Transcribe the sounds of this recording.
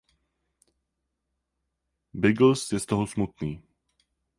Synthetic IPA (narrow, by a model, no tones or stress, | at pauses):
bɪɡl̩sjɛst̪oɦosmut̪niː